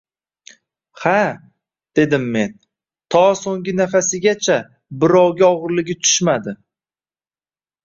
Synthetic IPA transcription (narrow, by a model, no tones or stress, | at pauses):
ha | d̪̥e̞d̪ɪmːe̞n | t̪ʰɒsoŋɡʲɪnafasɪɡʲat͡ʃʰa | bɪɾɒwɡʲaɒʁɨɾlɪɡʲɪt̪ʰʊ̥ʃmad̪ɪ